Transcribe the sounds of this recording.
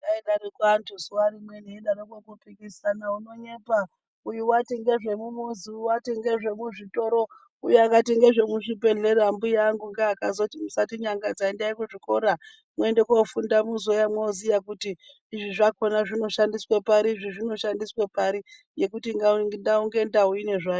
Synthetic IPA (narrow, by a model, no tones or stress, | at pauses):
daeɗarikwantʰusuwaɾimweneiɗaɾokokupikisanauno̞ɲepa | ujuwateŋɡe̞ʐe̞mumoziwateŋɡe̞ʐe̞muʐito̞ɾo̞ | ujeakateŋɡe̞ʐe̞muʐipe̞ɮeɾambujaŋɡuŋɡaːkazo̞timusatiɲaŋɡad͡zaendaikuʐiko̞ɾa | mwe̞ndekofundamuzo̞jamweozijakutiː | ʐiʐako̞naʐino̞ʃandiswepaɾiːʐiʐino̞ʃandiswepaɾi | je̞kutiŋɡandauŋɡe̞ndauine̞ʐaju